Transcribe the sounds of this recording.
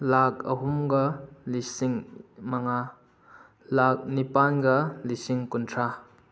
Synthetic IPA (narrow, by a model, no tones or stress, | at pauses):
lak̚ɐ̰ɦumɡɐlisiŋmaŋa | lak̚nipanɡɐlisiŋkuntʰɾa